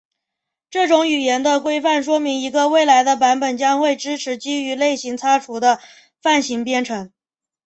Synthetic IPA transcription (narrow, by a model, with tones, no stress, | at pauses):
ʈ͡ʂɤ˥˩ʈ͡ʂʊ˧˥ŋy˨˩jɛ˧˥nd̪ə˧kwe˥ɪfa˥˩nʂ̬wɔ˥mi˧˥ŋi˧˥ɡə˧we˥˩ɪla˧˥ɪd̪ə˧p̬a˧˥npə˨˩nt͡ɕjɑ˥ŋxwe˥˩ɪʈ͡ʂɻ̩˥ʈ͡ʂʰɻ̩˧˥t͡ɕi˥y˧˥le˥˩ɪɕi˧˥ŋt͡sʰa˥ʈ͡ʂʰu˧˥d̪ə˧ | fa˥˩nɕi˧˥ŋpjɛ˥˧nʈ͡ʂʰɤ˧˥ŋ